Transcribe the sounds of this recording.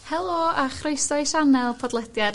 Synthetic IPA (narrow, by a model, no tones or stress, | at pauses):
hɛlˠɔaχroɨjsɔjʃanɛlˠpʰɔdlˠɛdjad